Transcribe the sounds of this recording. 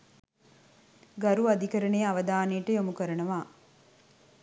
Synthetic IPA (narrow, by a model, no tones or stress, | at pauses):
ɡɐɾuɐd̪ikɐɾɐneːɐʋɐd̪aːneːʈəjomukɐɾɐnɐʋaː